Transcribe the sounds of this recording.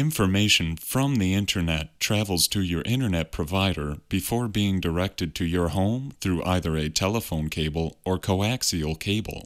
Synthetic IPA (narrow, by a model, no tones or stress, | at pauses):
ɪ̃ɱfə˞meɪʃɨ̃n̩fɹʌ̃mðiɪ̃ntʰə˞nɛtʰɹ̥ævl̩ˠz̥tʰɨjə˞ʔɪ̃ɾ̃ə˞nɛt̚pʰɹ̥əvaɪɾə˞b̥ɨfɔɹbiɪ̃ŋdə˞ɛk̚tɨd̚tʰɨjə˞hõʊ̃mθɹuʔaɪðə˞ɨtʰɛlˠəfõʊ̃nkʰeɪbl̩ˠə˞kʰoʊæksil̩ˠkʰeɪbl̩ˠ